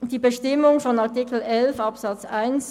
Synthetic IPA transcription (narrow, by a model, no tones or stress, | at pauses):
d̥iːbəʃtɪmʊŋfɔnɑɐtiːkl̩ʔɛlfɑpsɑt͡sʔaɪns